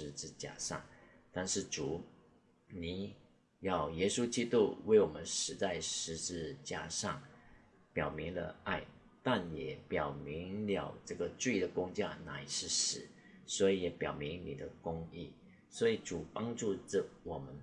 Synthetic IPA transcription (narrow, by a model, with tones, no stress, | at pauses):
ɻ̩˧˥t͡sɻ̩˥˩t͡ɕja̰˥ʂɑ̰˥˩ŋ | t̪a˥˧nʂɻ̩˥˩ʈ͡ʂu˨˩˦ | ni˨˩ | jɑ˥˩ʊjɛ˥su˥t͡ɕi˥t̪u˥we˥˩ɪwɔ˨˩mə˦nʂɻ̩˧˥t͡sa˥˩ɪʂɻ̩˧˥ʈ͡ʂɻ̩˥˩t͡ɕja˥ʂɑ˥˩ŋ | pjɑ˨˩ʊmi˧˥ŋlə̰˧a˥˩ɪ | t̪a˥˩njɛ˨˩pjɑ˨˩ʊmi˧˥ŋljɑ˨˩ʊʈ͡ʂɤ˥˩ɡə˩ʈ͡ʂi˥˩i˧˩d̪ə˨˩kʊ˥ŋt͡ɕja˥˩na˨˩i˨˩ʂɻ̩˥˩ʂɻ̩˨˩˦ | swɔ˧˥i˨˧˥jɛ˨˩pjɑ˨˩ʊmi˧˥ŋni˨˩d̪ə˦kʊ˥ŋi˥˩ | swɔ˧˥i˨˩ʈ͡ʂu˨˩˦pɑ˥ŋʈ͡ʂu˥˧ʈ͡ʂə˨˩wɔ˨˩mə˦n